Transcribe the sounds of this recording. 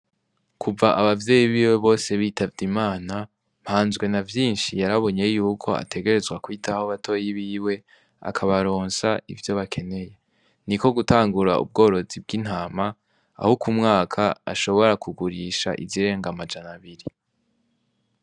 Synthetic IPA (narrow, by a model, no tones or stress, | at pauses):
kʰuvaʔaβavje̞ːjiβiːwe̞βo̞ːse̞βiːtʰavdimaːna | m̥haːnzɡwe̞navjiːnʃijaɾaβo̞ɲe̞juːkʰo̞a̰tʰe̞ɡe̞ɾe̞zɡwakwiːtʰahoβatʰo̞jiβiːwe̞ | a̰kʰaβaɾo̞ːnsaḭvjo̞βakʰe̞ne̞je̞ | niko̞ɡutaːŋɡuɾa̰ṵb̚ɡo̞ːɾo̞zib̚ɡin̥haːma̰ː | hokumŋaːkʰaa̰ʃo̞βo̞ɾakuɡuɾiːʃa̰ʔḭziɾe̞ːŋɡamad͡ʒanaβiɾi